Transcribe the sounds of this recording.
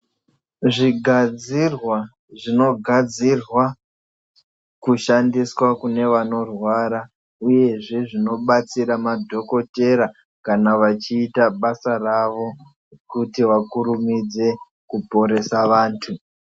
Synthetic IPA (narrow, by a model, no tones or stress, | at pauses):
ʐiɡʱad͡zirwa | ʐino̞ɡʱad͡zirwa | kuʃandiswakune̞ʋano̞rwaɾa | uje̞ʐeʐino̞ɓat͡siɾamadʱo̞ko̞te̞ɾa | kanaʋat͡ʃiːtaɓasaraʋo̞ | kutiʋakuɾumid͡ze̞ | kupo̞ɾe̞saʋaːntʰu